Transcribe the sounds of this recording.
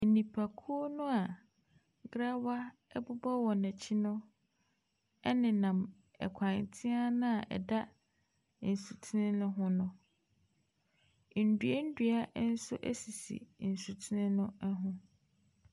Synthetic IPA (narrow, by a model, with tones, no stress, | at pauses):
nĩ˨pʰa˨kʰu˦o˦nʊ̃˦a˨ | ɡɾa˦wa˦ | ɛ˦bʊ˦ba˦wɔ˨næ̃˨t͡ɕʰi˦nʊ̃˦ | ɛ˦nɪ̃˨nã˨m | ɛ̰˨kʷʰã˨ntʰɪ̃˦a˦nʊ̃˦a˨ʔɛ̰˨da˦ | n̩˨su˨tʰi˦nɪ̃˦nʊ̃˦ɦʊ̃˦nʊ̃˦ | n̩˨du˨˦e˦n̩˦dɥa˦n̩˦sʊ˦ʔæ̰˦si˨sḭ˨n̩˨su˨tʰu˦nɪ̃˦nʊ̃˦ɛ˦ɦʊ̃˦